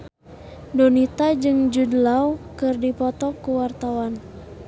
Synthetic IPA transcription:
donit̪ad͡ʒɨŋd͡ʒudəlawkɨrdipɔt̪ɔkuwart̪awan

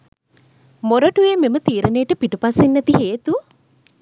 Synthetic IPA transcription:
moɾəʈujememət̪iːɾənejʈəpiʈupasinːæt̪iɦeːt̪u

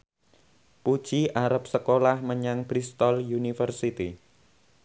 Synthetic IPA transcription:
pud̥ʒ̥iʔaɾəp̚səkolahməɲaŋb̥ɾist̪ɔljunifərsit̪i

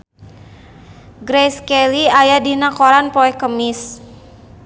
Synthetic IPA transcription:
ɡɾɛskɛliajadinakoɾanpɔɛkəmis

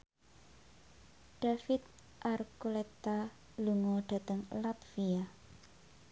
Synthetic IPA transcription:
ɖ̥afɪt̪̚ | ʔartkulɛt̪a | luŋɔɖ̥a̤t̪əŋlapfia

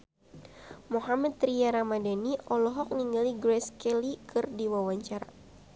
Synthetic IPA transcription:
moɦamɛt̪ɾiaɾamadaniʔɔlɔɦɔk̚niŋɡaliɡɾɛskɛlikʰɨrdiwawaɲt͡ʃaɾa̰

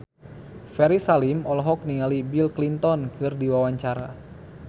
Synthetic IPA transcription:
fɛɾisalimɔlɔɦɔk̚niŋalibilklint̪ɔnkɨrdiwawaɲt͡ʃaɾa

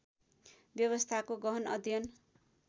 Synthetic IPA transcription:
bjʌβʌst̪ʰakoɡʌɦʌnʌd̪ʱjʌn

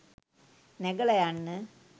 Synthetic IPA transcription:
neɡɐɭɐjaɳːɨ

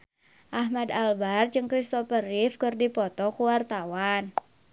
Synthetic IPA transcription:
ʔaɦmad̪albard͡ʒɨŋkɾist̪ɔpərɪfkɨrdipɔt̪ɔkuwart̪awan

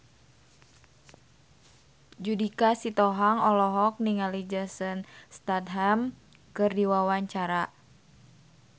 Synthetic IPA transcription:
d͡ʒudikasit̪ɔɦaŋɔlɔɦɔk̚niŋalid͡ʒəsənst̪at̪ɦam | kɨrdiwawaɲt͡ʃaɾa

